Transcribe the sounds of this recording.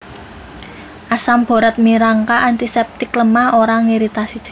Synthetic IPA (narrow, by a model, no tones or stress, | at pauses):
ʔasamb̥o̤ɾət̪̚miɾaŋkaʔant̪isɛp̚t̪ikləmahoɾaŋiɾit̪asid̥t͡ʃi̥